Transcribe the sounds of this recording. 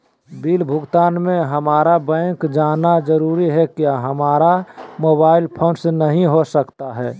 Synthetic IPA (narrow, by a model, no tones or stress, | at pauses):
biːlbʱʊɡt̪aːnmẽɦəmaːɾabɛ̃ːkd͡ʒaːnad͡ʒəɾuːɾiɦɛkjaɦəmaːɾamoːbaːɪlpʰõːnsnəɦĩɦosəkt̪aɦɛː